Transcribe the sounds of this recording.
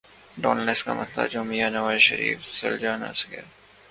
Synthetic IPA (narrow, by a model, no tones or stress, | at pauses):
ɖɔːnəleska̰mɐsla̰d͡ʒomijanɐʋaːzʃɐɾḭːfseld͡ʒaːna̰ːsɪɡḛɾ